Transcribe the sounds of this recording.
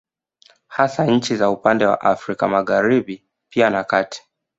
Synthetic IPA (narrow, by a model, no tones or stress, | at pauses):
hasaɲ̩t͡ʃizaupandɛwa̰ʔafɾikamaɣaɾiɓi | pianakatʰi̥